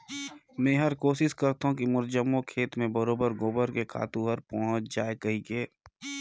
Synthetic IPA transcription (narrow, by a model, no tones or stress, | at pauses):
mɛ̃ːɦɐɾkoːʃɪʃkəɾt̪aɦũkimʊɾd͡ʒəmokʰeːt̪mẽbəɾoːbəɾɡoːbəɾkekʰa̰ːt̪ũɦəɾpɔ̃ːɦʊt͡ʃʰd͡ʒaːekɐɦikeː